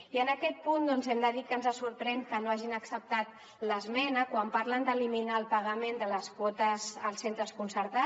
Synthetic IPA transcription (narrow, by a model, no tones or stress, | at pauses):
iənəkɛt̪̚pund̪ɔnzɛmd̪əðikənzəsuɾpɾɛnkənoaʒinəksəp̚t̪at̪̚ | ləzmɛnəkwampaɾlənd̪əliminaəlˠpəɣəmend̪ələskwɔt̪əzəlˠsent̪ɾəskunsəɾt̪a